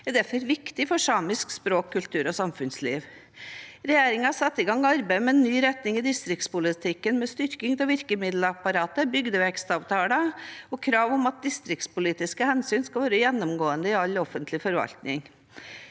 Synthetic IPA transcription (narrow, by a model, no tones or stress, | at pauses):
ɛɾd̪æɾfɔɾʋɪkt̪ɪfɔʂɑːmɪskspɾoːkʰːʉlt̪ʉːɾɔsɑmfʉnslḭːʋ | ɾɛjeːɾɪŋɑsɑt̪ːɪɡɑŋːɑɾbæɪmɛɛnːyːɾɛt̪nɪŋɪd̪ɪst̪ɾɪk̚t̪spʊlɪt̪ʰɪkːənmɛst̪ʏɾkɪŋt̪ʰɪlʋɪɾkəmɪd̪ləɑpɑɾɑːt̪əbʏɡd̪əʋɛkst̪ɑːʋt̪ʰɑːləɔkʰɾɑːʋɔmɑt̪̚d̪ɪst̪ɾɪk̚t̪spʊliːt̪ɪskəhɛnsyːnskɑʋɑːɾəjɛnːɔmɡoːənd̪əɪɑlɔfːənt̪ʰlɪfɔɾʋɑ̰lt̪nɪ̰ŋ